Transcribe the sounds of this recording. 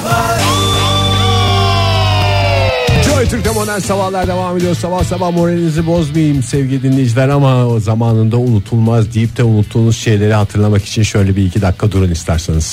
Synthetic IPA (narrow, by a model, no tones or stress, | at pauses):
d͡ʒojt̪ʰyɾc̚t̪ʰɛmod̪ælʲsabahlˠaɾd̪e̞vaːme̞d̪ijoɾsabahsabahmo̞ɾelʲinizibo̞zmajɯmsɛvɟilʲid̪inlʲe̞jd͡ʒilʲæɾamazamaːnɯnd̪aunut̪ʰulˠmazd̪ijip̚t̪ʰɛunut̪ʰːuːnuzʃe̞jlʲe̞ɾiɦat̪ʰɯɾlˠamaki̥t͡ʃʰinʃø̞jlʲɛbiicʰid̪akʰːad̪uɾunist̪ʰæɾsanɯz̥